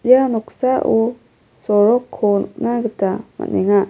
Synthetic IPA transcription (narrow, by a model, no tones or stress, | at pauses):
janɔksaʔu | sɔɾɔkʰːɔnnaɡɯtama̰tneŋa